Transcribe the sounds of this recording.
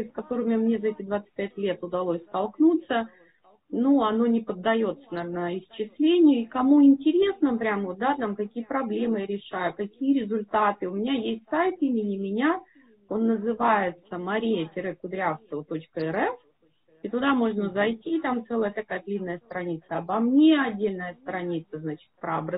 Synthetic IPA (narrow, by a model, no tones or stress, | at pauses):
skɐt̪o̞ɾɨmʲmnʲe̞zɐɛtʲɪd̪vat̪sɨ̥t̚ʲpʲætʲlʲet̪ʊd̪ɐlˠosʲst̪ɐlˠknut̪sə | nuɐno̞nʲɪpəd̪ːɐjo̞t̪sənɐvʲnəɪst͡ɕɪslʲenʲɪjʊikɐmuɪnʲtʲɪɾʲe̞snəpɾʲamvo̞t̪̚d̪at̪amk̪ɐkʲijəpɾɐblʲe̞mɨjaɾʲɪʂajʊkɐkʲijəɾʲɪzʊlʲt̪at̪ɨʊmʲɪnʲajesʲtʲsajt̪imʲɪnʲɪmʲɪnʲa | o̞nːəzɨvajɪt̪səmɐɾʲijətʲɪɾɛkʊd̪ɾʲafskəvət̪o̞t͡ɕkəɛɾɛf | it̪ʊd̪amo̞ʐnəzɐjtʲit̪amt̪sɛlˠəjət̪ɐkajət̪lʲinːəjəst̪ɾɐnʲit̪səɐbɐmnʲe̞ɐdʲːelʲnəjəst̪ɾɐnʲit̪səznat͡ɕɪ̥t̪̚pɾəɐbɾə